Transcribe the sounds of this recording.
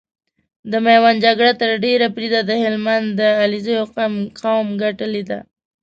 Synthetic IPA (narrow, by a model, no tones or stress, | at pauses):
d̪əmajwand͡ʒaɡɽat̪əɾɖeɾapɾed̪ad̪əhɪlmand̪d̪əalizəjoqmqawmɡaʈəled̪a̰